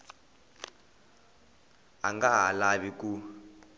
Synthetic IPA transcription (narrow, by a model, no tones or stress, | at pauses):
a̰ŋɡaɦalaβiku